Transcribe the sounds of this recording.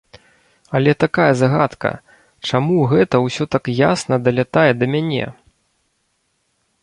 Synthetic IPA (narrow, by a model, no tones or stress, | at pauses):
ɐlʲɛt̪akajɐzaɣa̰t̪kɐ̰ | t͡ʂamuɣɛt̪ɐwsʲɔt̪akjasnɐd̪ɐlʲat̪ajɛd̪ɐmʲanʲɛ̰